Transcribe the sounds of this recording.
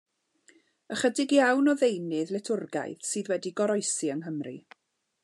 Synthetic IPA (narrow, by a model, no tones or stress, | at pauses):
əχədɪɡjawnɔðejnɨðlɛtʰʊrɡa̰jð̥sɨːðwɛdiɡɔɾɔɨsiəŋɦəmrḭ